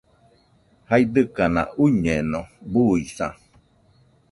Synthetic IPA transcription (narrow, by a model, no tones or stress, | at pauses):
haid̪ɨkanã̰ʔuɲẽnõbuisã̰